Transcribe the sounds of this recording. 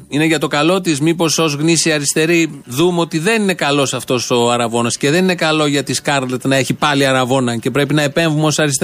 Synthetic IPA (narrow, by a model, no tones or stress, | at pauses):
ine̞ʝɐt̪o̞kɐlo̞t̪izmipo̞so̞zɣnisiɐɾist̪e̞ɾiðumeo̞t̪iðe̞nine̞kɐlo̞sɐft̪o̞so̞ɐɾɐvo̞nɐsce̞ðe̞nine̞kɐlo̞ʝɐt̪iskɐɾðet̪nɐe̞çipɐliɐɾɐvo̞nɐce̞pɾe̞pinɐe̞pe̞ɱvumo̞sɐɾist̪